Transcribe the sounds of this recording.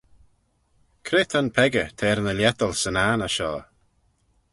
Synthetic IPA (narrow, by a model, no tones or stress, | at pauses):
kʰɾɪt̪ʰənpʰɛɡət̪ʰɛːɾnəljɛt̪əlsənaːnaʃɔ̰ː